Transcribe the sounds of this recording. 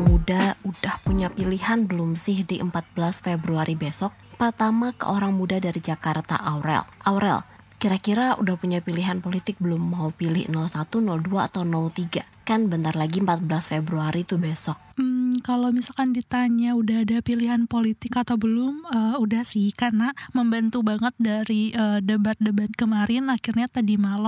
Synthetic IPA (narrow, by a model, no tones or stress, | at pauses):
ŋmudaudahpuɲapiliɦanbəlʊmsɪhdiʔəmpat̪̚bəlasfebɾuaɾʔibesɔk̚pərt̪amakə̰ʔoɾaŋmudadaɾid͡ʒakart̪a̰ʔawɾɛ̰lʔawɾɛ̰l | kiɾakiɾaudahpuɲapiliɦanpolit̪ɪk̚bəlʊmːaupilɪhnɔlsat̪unɔlduaːt̪awnɔlt̪iɡa | kanbənt̪arlaɡiəmpat̪̚bəlasfebɾuaɾit̪ubesɔk̚m̩kalomisalkandit̪aɲaudaɦadahpiliɦanpolit̪ɪkat̪awbəlʊməːudahsɪhkarnaməmbant̪ubaŋət̪̚daɾiəːdəbat̪̚dəbat̪̚kəmaɾɪnakɪrɲat̪adimala